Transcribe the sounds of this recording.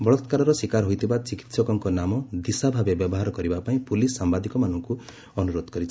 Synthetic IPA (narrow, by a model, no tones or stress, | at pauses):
bɔɭɔt̪kaɾɔɾɔsikaɾɦojt̪ʰibat͡ʃiki̥t̪sɔkɔŋkɔnamɔd̪isabʱabebjɔbɔɦaɾɔkɔɾibapaĩpulisːambad̪ikɔmanɔŋku | ɔnuɾod̪ɔkɔɾit͡ʃʰi̥